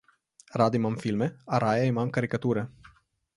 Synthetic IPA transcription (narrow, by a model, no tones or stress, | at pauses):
rad̪imamfilmeaɾʔajaimamkəɾikət̪uɾə